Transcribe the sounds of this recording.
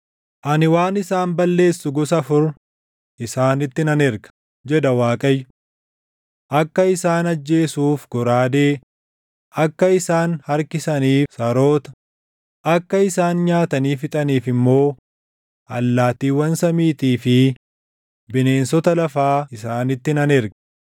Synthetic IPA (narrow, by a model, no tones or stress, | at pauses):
ʔɐnɪwaːnɪsaːmbɐlːe̞ːsːʊɡɔsɐfʊɾ | ʔɪsaːnɪt̪ːɪnɐnɛɾɡɐ̥ | d͡ʒɛd̪ɐwaːkʼɐjːʊ | ʔɐkːɐɪsaːnɐd͡ʒːe̞ːsuːfɡɔɾaːd̪eː | ɐkːɐɪsaːnhɐɾkɪsɐniːsɐɾo̞ːt̪ɐ̥ | ʔɐkːɐɪsaːnɲaːt̪ɐniːfɪt̪ʼɐniːfɪmːo̞ː | ʔɐlːaːt̪iːwɐnsɐmiːt̪iːfɪ | bɪneːnsɔt̪ɐlɐfaːɪsaːnɪt̪ːɪnɐnɛɾɡɐ̥